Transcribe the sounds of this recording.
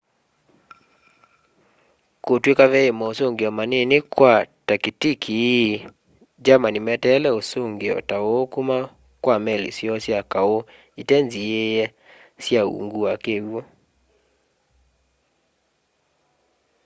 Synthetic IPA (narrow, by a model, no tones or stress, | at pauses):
kotwekaβɛemɔosoŋɡeɔmanenekwatakitikʰi | d͡ʒamanimɛtɛlɛosoŋɡeɔ̰taookuma | kwamɛlḛsjɔsjakao | itɛnziejɛ | sjaṵŋɡuakeɣwo